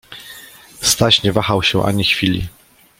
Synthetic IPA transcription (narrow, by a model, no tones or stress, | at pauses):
st̪aɕɲɛvaxawɕɛʔa̰ɲixfʲilʲḭ